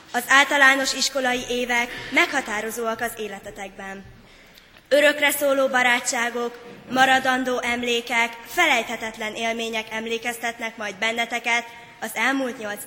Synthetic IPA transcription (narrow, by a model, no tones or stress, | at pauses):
ɒzaːlt̪ɒlaːno̞ʃiʃko̞lɒjiʔeːvɛkmɛkhɒt̪aːɾo̞zoːɒkɒzeːlɛt̪ɛt̪ɛɡ̚bɛn | øɾø̞krɛsoːloːbɒɾaːt͡ʃːaːɡo̞kmɒɾɒd̪ɒnd̪oːʔɛmleːkɛkfɛlɛjt̪hɛt̪ɛt̪lɛnʔeːlmeːɲɛkɛmleːkɛst̪ɛt̪nɛkmɒjd̪̚bɛnːɛt̪ɛkɛt̪ | ɒzɛlmult̪ɲo̞lt̪s